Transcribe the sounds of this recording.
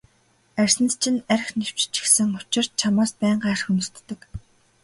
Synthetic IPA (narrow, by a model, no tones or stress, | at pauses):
ær̥ʲsɘ̆nt͡ɕʰɪ̆næɾxnew̥t͡ɕt͡ɕɪ̥xsɘ̆ŋʊt͡ɕɪ̆r̥t̪̚t͡ɕʰamaːspæːɴɢaːrxunɵ̆r̥t̪ːɘ̆k